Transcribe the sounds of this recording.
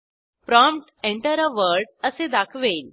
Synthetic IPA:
pɾɔ̃mpʈeɳʈəɾəʋəɾɖəsed̪akʰʋel

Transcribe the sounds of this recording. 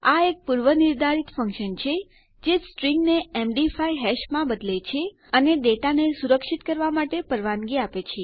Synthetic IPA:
aek̚puɾʋənɪɾd̪ʱaɾit̪fə̃ŋkʃənt͡ʃʰe | d͡ʒesʈɾiŋɡneemɖifajɦɛʃmãbəd̪let͡ʃʰe | əned̪eʈanesuɾəkʃit̪kəɾʋamaʈepəɾʋanɡiapet͡ʃʰe

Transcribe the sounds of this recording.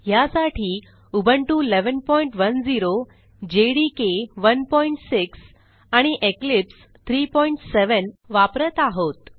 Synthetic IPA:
ɦjasaʈʰiː | ubʱəɳʈuleʋənpɔiɳʈʋənd͡ziɾo | d͡ʑeɽikeʋənpɔiɳʈsiks | aɽ̃iʔeklips | t̪ʰɾipɔiɳʈseʋənʋapɾət̪aɦot̪

